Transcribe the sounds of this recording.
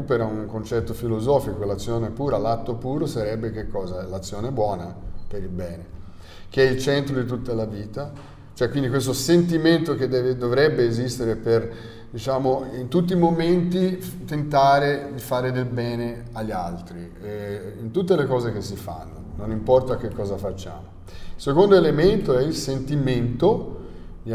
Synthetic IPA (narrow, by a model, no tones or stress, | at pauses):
upeɾauŋkont͡ʃɛt̪ːofilozɔːfikolat̪sːjoːnepuːɾalat̪ːopuːɾosaɾɛbːek̟ekːɔːzaɛlat̪sːjoːnebwɔːnapeɾilbɛːne | k̟eɛilt͡ʃɛnt̪ɾod̪it̪̬ut̪ːalaviːt̪a | t͡ʃoɛkːwind̪ikwest̪osent̪iment̪oked̪ɛːved̪ovɾɛbːeːzist̪eɾeper | d̪it͡ʃaːmoint̪ut̪ːiːmoment̪it̪ent̪aːɾed̪ifaːɾed̪elbɛːne | aʎːa̰lt̪ɾi | int̪ut̪̬ːelekɔːzek̟esːifa̰nːononimpɔrt̪ak̟ekːɔːzafat͡ʃːa̰ːmo | ilsekond̪oelement̪oɛilsent̪iment̪o